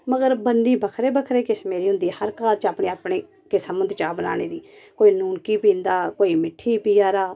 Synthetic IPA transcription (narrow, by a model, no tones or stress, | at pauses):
məɡəɾbənːiːbəkʰɾeːbəkʰɾeːkɪsmeːɾiːɦʊ̃nd̪iːhəɾkaːlt͡ʃaːpɳeːaːpɳeː | kɪsəmənd̪t͡ʃaːbəna̰ːneːd̪iːkoːiːnuːnkiːpĩːnd̪aːkoːiːmɪʈʰːiːpiːaːɾaː